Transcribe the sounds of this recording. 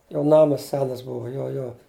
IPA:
joː ˈnɑːmɐs ˈsʲæːnɐs ˈbʊʋoː joː ˈjoː

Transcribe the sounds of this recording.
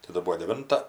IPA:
tɐˈdɐ ˈbuɔ dʲɛˈʋʲɪntɐ

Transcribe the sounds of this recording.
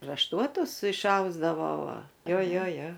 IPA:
rɐʃˈtuɔtʊs ɪʃˈɐʊzdɐʋoː ˈʋɐ ˈjoː ˈjoː ˈjoː

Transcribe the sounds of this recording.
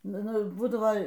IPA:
ˈnʊ ˈnʊ ˈbuːdɐʋoː

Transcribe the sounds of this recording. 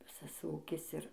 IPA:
ˈʋʲɪsɐs ˈuːkʲɪs ˈɪr

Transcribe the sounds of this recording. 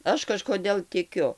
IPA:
ˈɐʃ kɐʃkoːˈdʲeːlˠ tʲɪˈkʲʊ

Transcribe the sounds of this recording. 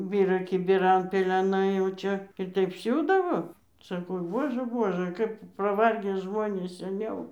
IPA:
ˈbʲiːrɐ kʲɪbʲɪˈrɐn pʲɛlʲɛˈnɐɪ jɛʊ ˈt͡ʃʲɛ ɪr ˈtɐɪp ˈsʲuːdɐʋoː sɐˈkɐʊ ˈbuɔʒɘ ˈbuɔʒɘ ˈkɐp pɐˈʋɐrʲɡʲeː ˈʒmoːnʲeːs sʲɛˈnʲɛʊ

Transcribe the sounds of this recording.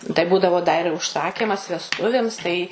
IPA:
tɐɪ ˈbuːdɐʋoː dɐ ɪr ʊʃˈsɑːkʲɪmɐs ʋʲɛsˈtʊʋʲeːms tɐɪ

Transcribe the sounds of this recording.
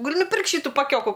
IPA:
ɡɐˈlʲɪ nʊˈpʲɪrkt ˈʃʲiːtʊ pɐˈkʲoːkʊ

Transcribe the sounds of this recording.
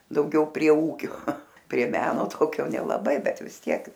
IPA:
dɐʊˈɡʲɛʊ pʲrʲiɛ ˈuːkʲoː pʲrʲiɛ ˈmʲæːnoː ˈtoːkʲoː nʲɛlˠɐˈbɐɪ ˈbʲɛt ʋʲɪs ˈtʲiɛk

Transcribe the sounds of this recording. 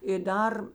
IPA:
ɪ ˈdɐr

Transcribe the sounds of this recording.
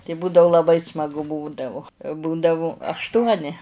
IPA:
tɐɪ ˈbuːdɐʊ lˠɐˈbɐɪ smɐˈɡʊ ˈbuːdɐʋʊ ˈbuːdɐʋʊ ɐʃˈtuɔnʲɪ

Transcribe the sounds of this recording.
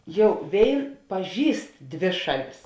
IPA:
ˈjɛʊ ˈʋʲeːɪn pɐˈʒʲiːst ˈdʲʋʲeː ˈʃɑːˌlʲɪs

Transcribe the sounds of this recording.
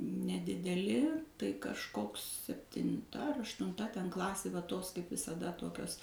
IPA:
nʲɛdʲɪdʲɛˈlʲɪ tɐɪ kɐʃˈkoːks sʲɛpʲtʲɪnˈtɐ ɐr ɐʃtʊnˈtɐ tʲɛn ˈklˠɑːsʲeː ʋɐ ˈtoːs kɐɪp ʋʲɪsɐˈdɐ ˈtoːkʲoːs

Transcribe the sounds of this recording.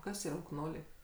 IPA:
ˈkɐs iːˈrɐ ʊkˈnoːlʲɛɪ

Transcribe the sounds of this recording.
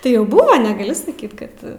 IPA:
tɐɪ ˈjɛʊ ˈbʊʋoː nʲɛˈɡɑːlʲɪ sɐˈkʲiːt ˈkɐt

